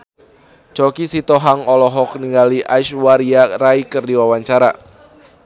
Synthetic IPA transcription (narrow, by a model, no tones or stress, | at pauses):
t͡ʃɔkisit̪ɔɦaŋɔlɔɦɔk̚niŋɡaliʔaʃwaɾiaraikərdiwawaɲt͡ʃaɾa̰